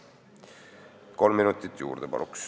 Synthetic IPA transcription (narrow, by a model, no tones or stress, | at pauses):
ko̞lmːinut̪ˑːit̪ːjṵːɾd̪̥epɑ̰lʔuks